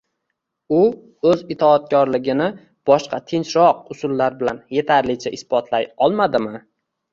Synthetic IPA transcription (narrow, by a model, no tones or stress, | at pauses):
ʊ | ɵzɪt̪ʰɒːt̪̚kʲɒɾlɪɡʲɪnɪ | b̥ɒʃqʰɑt̪ʰɪnt͡ʃɾɒq̚ʊsʊlːaɾbɪlanje̞t̪ʰaɾlɪt͡ʃʰaʔɪspɒt̪ʰlajɒlˠmad̪ɪmɪ